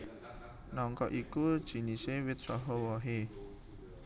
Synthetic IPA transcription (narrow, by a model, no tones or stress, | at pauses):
nɔŋkɔʔikud̥ʒ̥i̤nisewɪt̪̚sɔɦɔwɔɦe